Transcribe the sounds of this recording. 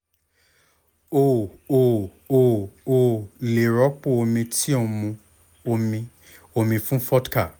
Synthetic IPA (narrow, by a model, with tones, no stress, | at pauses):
o˨o˦˨ | o˦˨o˦˨le˨ɾɔ˨˦k͡po˦˨o˧mĩ˧ti˦o˧mũ˧ | o˧mĩ˧ | o˧mĩ˧fũ˦fɔ˦tka˦˨